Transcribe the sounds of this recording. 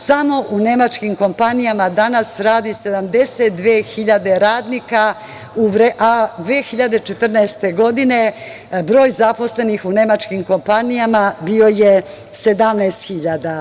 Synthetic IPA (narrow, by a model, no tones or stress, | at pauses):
samo̞ʔune̞mat͡ʃkimko̞mpanijamad̪anasɾaːd̪ise̞d̪amd̪e̞set̪̚d̪ʋeːxiʎad̪e̞ɾaːd̪nika | uʋɾeʔad̪ʋeːxiʎad̪et͡ʃet̪r̩nɛest̪e̞ɡo̞d̪ine̞ | bɾo̞ːjzapo̞sle̞nixune̞mat͡ʃkimko̞mpanijamabio̞je | se̞d̪amnɛːst̪xiʎad̪a